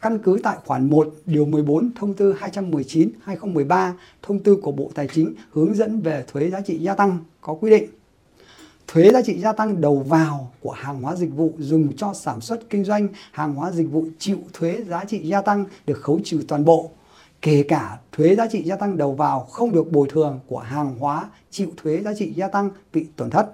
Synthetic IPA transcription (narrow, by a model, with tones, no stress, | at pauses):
ka˧nkɨ˨˦t̪a̰ː˧˨jxwaː˧˩nmo˨˩t̚ɗi˨˩əwmɨ˨˩əjɓo˨˦nt̪ʰə˧wŋ͡mt̪ɨ˧haː˧jt͡ɕa˧mːɨ˨˩əjt͡ɕi˨˦nhaː˧jxə˧wŋ͡mmɨ˨˩əjɓaː˧ | t̪ʰə˧wŋ͡mt̪ɨ˧ku˧˩əɓo̰˧˨t̪aː˨˩jt͡ɕï˨˦ŋ̟hɨ˨˦əŋzə̰˧˥nve˨˩t̪ʰwe˨˦zaː˨˦t͡ɕḭ˧˨zaː˧t̪a˧ŋkɔ˨˦kwi˧ɗḭ̈˧˨ŋ̟ | t̪ʰwe˨˦zaː˨˦t͡ɕḭ˧˨zaː˧t̪a˧ŋɗə˨˩wvaː˨˩wku˧˩əhaː˨˩ŋhwaː˨˦zï˨˩k̟̚vṵ˧˨zʊ˨˩ŋ͡mt͡ɕɔ˧saː˧˩nswə˦˥t̚kï˧ŋ̟zwa˧jŋ̟haː˨˩ŋhwaː˨˦zï˨˩k̟̚vṵ˧˨t͡ɕḭ˧˨wt̪ʰwe˨˦zaː˨˦t͡ɕḭ˧˨zaː˧t̪a˧ŋɗɨ˨˩ək̚xə˨˦wt͡ɕḭ˧˨t̪waː˨˩nɓo̰˧˨ | ke˧˩kaː˧˩t̪ʰwe˨˦zaː˨˦t͡ɕḭ˧˨zaː˧t̪a˧ŋɗə˨˩wvaː˨˩wxə˧wŋ͡mɗɨ˨˩ək̚ɓo˨˩jt̪ʰɨ˨˩əŋku˧˩əɦaː˨˩ŋɦwaː˨˦ | t͡ɕḭ˧˨wt̪ʰwe˨˦zaː˨˦t͡ɕḭ˧˨zaː˧t̪a˧ŋɓḭ˧˨t̪wə˨˩nt̪ʰə˦˥t̚